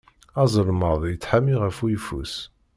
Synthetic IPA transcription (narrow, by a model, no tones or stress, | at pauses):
ɑzˤəɾməðˤjət͡sːħamiʁæfujfṵs